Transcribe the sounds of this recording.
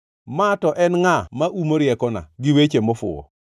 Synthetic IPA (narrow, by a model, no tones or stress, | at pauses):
matɔʔɛnŋamaʔumoɾjɛkɔna̰ɡɪwet͡ʃemɔfʊ̰ɔ̰